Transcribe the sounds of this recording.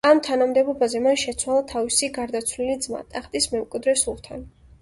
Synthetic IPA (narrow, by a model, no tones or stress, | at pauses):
amt̪ʰanamd̪ɛbɔbazɛmaʃɛt̪sʰwalˠat̪ʰavisiɡaɾd̪at̪sʰwlilid̪zma̰t̪ʼaχt̪ʼismɛmkʼwid̪ɾɛsulˠt̪ʰan